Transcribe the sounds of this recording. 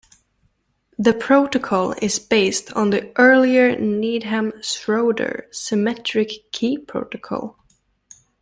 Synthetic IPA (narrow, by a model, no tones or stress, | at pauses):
ðɨpʰɹ̥oʊɾɨkʰɔlˠɪ̰zbeɪstʰn̩ðiʔɜ˞lˠiə˞nidɦæ̃msɹoʊdə̰˞sɨmɛtɹ̥ɪkʰːipʰɹ̥o̰ʊɾɨkʰɔ̰lˠ